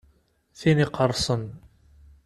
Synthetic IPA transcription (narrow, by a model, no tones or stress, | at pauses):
θiniqəɾˤsˤən